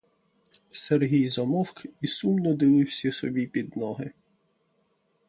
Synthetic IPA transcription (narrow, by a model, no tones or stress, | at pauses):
serɦʲijzɔmɔwkisumnɔd̪ɪʋɪwsʲɐsɔ̰bʲipʲid̪nɔɦɪ